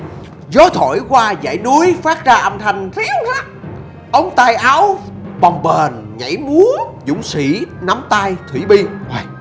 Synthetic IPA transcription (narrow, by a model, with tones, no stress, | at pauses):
zɔ˨˦t̪ʰo̰˧˩˨jkwaː˧za̰ː˧˩jnu˨˦əjfaː˦˥t̚zaː˧ʔa˧nt̪ʰa˨˩jŋ̟t̪ʰi˨˦˥whaː˦˥ | ʔə˨˦wŋ͡mt̪aː˧jʔa˨˦wɓɔ˨˩wŋ͡mɓeː˨˩nɲa̰˧˩jmu˨˦əzʊ̰˧˥˦ŋ͡msḭ˧˩˥na˨˦mt̪aː˧jt̪ʰwḭ˧˩ɓi˧aː˨˩j